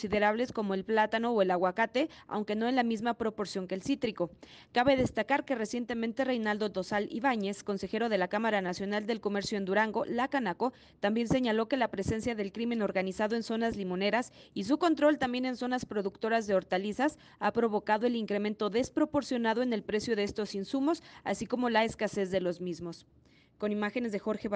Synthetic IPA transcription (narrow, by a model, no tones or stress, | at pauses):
siðe̞ɾaβle̞sko̞mo̞elplat̪ano̞ːe̞laɣwakat̪e̞a̰wŋke̞no̞e̞nlamizmapɾo̞po̞ɾsjo̞ŋkeːlsit̪ɾiko̞ | kaβe̞ð̞e̞st̪akaɾke̞re̞sje̞nt̪e̞mẽ̞nt̪e̞rejnald̪o̞d̪o̞salḭβaɲe̞sko̞nse̞xe̞ɾo̞ð̞e̞lakamaɾanasjo̞nald̪e̞lko̞me̞ɾsjoend̪uɾaŋɡo̞lakanako̞ | t̪ambje̞nse̞ɲalo̞ke̞lapɾe̞se̞nsjaðe̞lkɾimẽ̞no̞ɾɣanisaðo̞e̞nso̞nazlimo̞ne̞ɾasis̬uko̞nt̪ɾo̞lt̪ambje̞ne̞nso̞naspɾo̞ðukt̪o̞ɾazðe̞o̞ɾt̪alisas | apɾo̞β̞o̞kaðo̞e̞liŋkɾe̞mẽ̞nt̪o̞ðe̞spɾo̞po̞ɾsjo̞naðo̞e̞ne̞lpɾe̞sjo̞ðe̞est̪o̞sinsumo̞sa̰siko̞mo̞laeskase̞zðe̞lo̞zmizmo̞s | ko̞nimaxe̞nezðe̞xo̞ɾxe̞β